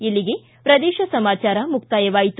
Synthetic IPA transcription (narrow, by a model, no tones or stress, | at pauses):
ilːiɡe̞ | pɾɐd̪eːʃɐsɐmaːt͡ʃaːɾɐmukt̪aːjɐʋaːjit̪